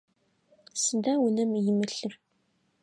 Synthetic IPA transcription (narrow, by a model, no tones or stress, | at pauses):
səd̪æwənəmjəməɬəɾ